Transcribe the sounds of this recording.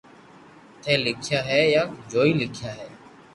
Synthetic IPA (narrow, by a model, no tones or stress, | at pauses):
t̪ʰẽːlɪkʰjaːɦeːjãːd͡ʒoːiːlɪkʰjaːɦeː